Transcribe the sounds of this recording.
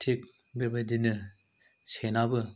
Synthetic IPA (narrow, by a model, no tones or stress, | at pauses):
tʰik̚ | bebɐdinɯ | senabɯ